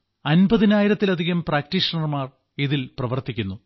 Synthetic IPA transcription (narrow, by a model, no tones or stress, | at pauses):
ɐnbɐðinaːjiɾɐt̪ːilɐd̪ʱiɣɐmpraːk̚ʈiʂɐnɐrmaːr | iðilprɐʋɐrt̪ikʲːunːu